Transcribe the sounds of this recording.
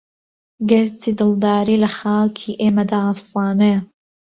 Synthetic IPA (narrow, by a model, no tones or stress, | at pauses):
ɡɛɾtʰiːd̪ɨlˠd̪aːɾiːlɐxaːkʰiːʔeːmɐd̪aːʔafsɑːne